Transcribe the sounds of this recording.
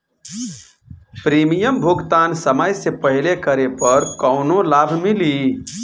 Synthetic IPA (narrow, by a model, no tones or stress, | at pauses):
pɾimijəmbʱuɡt̪ansəməjsepəɦilekəɾepəɾkəʊnolabʱmili